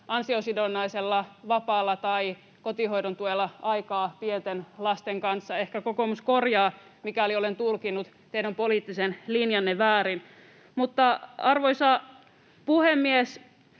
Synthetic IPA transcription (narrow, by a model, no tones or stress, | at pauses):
ʔɑnsiosidonːɑiselːɑʋɑpɑːlːɑt̪ɑi | kot̪ihoiɾont̪uelːɑɑikɑːpient̪enlɑst̪eŋkɑnsːɑehkækokomuskorjɑːmikæoliolent̪ulkinut̪ | t̪ejɾæmpoliːˑt̪ːisenlinjɑnːeʋæːɾin | mut̪ːɑɑrʋoisɑ | puhemːies